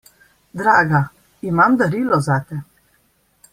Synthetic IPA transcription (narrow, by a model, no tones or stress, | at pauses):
d̪ɾaːɡa | imamd̪aɾiːlɔzat̪ɛ